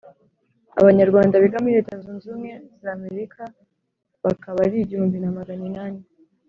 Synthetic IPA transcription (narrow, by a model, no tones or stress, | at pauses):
a̰βaɲaɾɡwaːndaβiɡamiiɾe̞ːtazuːnzuːmŋe̞zame̞ɾikʰa | βakaβaɾiɟihuːmbinamaɡaninaːni